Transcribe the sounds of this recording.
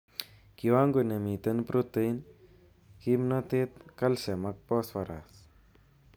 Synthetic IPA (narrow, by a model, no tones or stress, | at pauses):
kiwaːŋɡunemiːt̪ɐnpɾot̪ən | kimnɐt̪eːt̪kɐlsemɐk̚pɔːswɐɾa̰ːs